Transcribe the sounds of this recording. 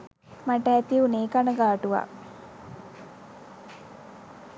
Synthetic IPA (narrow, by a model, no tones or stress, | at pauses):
maʈɛːt̪iuneːkanəɡaːʈuʋa̰